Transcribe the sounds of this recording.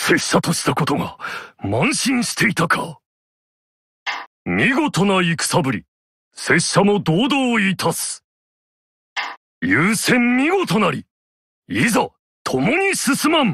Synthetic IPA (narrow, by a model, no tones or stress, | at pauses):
se̞ɕːat̪o̞ɕi̥t̪ako̞t̪o̞ɡamãɰ̃ɕĩɰ̃ɕi̥t̪e̞it̪akʰa̰ | mʲiɡo̞t̪o̞naikɯ̟̥sabɯ̟ɾʲi | se̞ɕamo̞d̪oːd̪oːiːt̪ʰasɨ̥ | jɨːsẽ̞mmʲiɡo̞t̪o̞naɾʲi | iza | t̪ʰo̞mo̞ɲ̟isɨsɨmãm